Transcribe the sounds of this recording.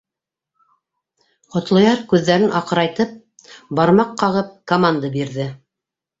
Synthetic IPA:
qŏt̪lˠɤ̆jɑɾkʉðːæɾɘnʔɑqɤ̆ɾɑjt̪ɤp̚ | bɑɾmɑqːɑʁɤp̚komand̪əbiɾðɘ

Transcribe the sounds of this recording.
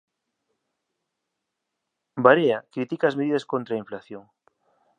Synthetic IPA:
baɾeakɾit̪ikaːzmeðiðɐskont̪ɾaiɱflaθjoŋ

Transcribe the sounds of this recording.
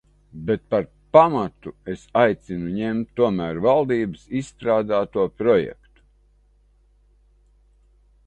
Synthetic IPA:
bet̪̚paɾ | pamat̪uesajt̪sinuɲemt̪ːuɔmæːɾvalˠd̪iːbɨsissːt̪ɾaːd̪aːt̪uɔpɾɔjɛ̰kt̪u̥

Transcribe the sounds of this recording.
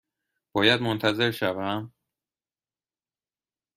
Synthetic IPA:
b̥ɒːjæd̪mont̪ʰæze̞ɾʃævæm

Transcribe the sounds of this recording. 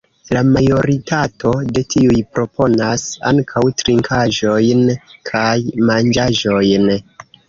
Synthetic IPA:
lamajo̞ɾitʰatʰo̞de̞tʰiujpɾo̞po̞nasa̰ŋkʰawtɾiŋkʰaʒo̞jnkʰajmand͡ʒaʒo̞jn

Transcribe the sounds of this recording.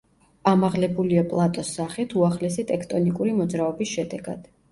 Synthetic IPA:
amaʁlɛbuliapʼlˠat̪ʼɔsːaχit̪ʰuaχlɛsit̪ʼɛkʰt̪ʼɔnikʼuɾimɔd̪zɾaɔbisʃɛd̪ɛɡa̰d̪̥

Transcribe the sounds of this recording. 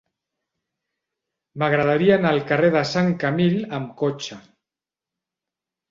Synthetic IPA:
maɣɾað̞aɾianalkareðasaŋkamilamkot͡ʃa

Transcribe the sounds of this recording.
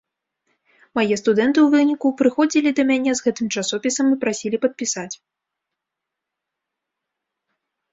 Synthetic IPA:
majɛst̪ud̪ɛnt̪ɨwvɨnʲikupɾɨxɔd͡zʲilʲid̪ɐmʲanʲɛzɣɛt̪ɨmt͡ʂasɔpʲisɐmipɾasʲilʲipɐt̪̚pʲisat͡sʲ

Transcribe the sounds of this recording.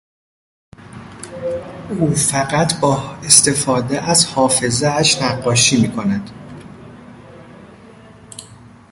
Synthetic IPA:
ʔuːfæɣæt̪ʰbɒːest̪e̞fɒːd̪eʔæzhɒːfe̞zeæʃnæɡːɒːʃiːmiːkʰonæd̪̥

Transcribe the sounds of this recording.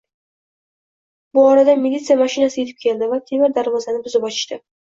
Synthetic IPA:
bʊɒɾad̪amɪlʲːit̪sɨijamaʃɪnasɪje̞t̪ʰɪp̚kʲʰe̞ld̪ɪvat̪ʰe̞mɪɾd̪aɾvɒzanɪbʊzɪbɒt͡ʃ̪ʰɪ̥ʃt̪ɪ

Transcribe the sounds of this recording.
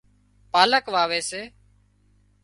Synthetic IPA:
paːləkʋaːʋeːseː

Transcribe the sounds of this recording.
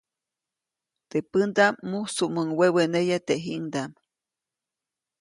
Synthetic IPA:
t̪epɨnd̪amːusuʔməŋwewenejat̪eʔɦiʔŋd̪am

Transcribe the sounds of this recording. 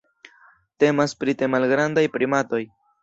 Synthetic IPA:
te̞maspɾitemalɡɾandajpɾimato̞j

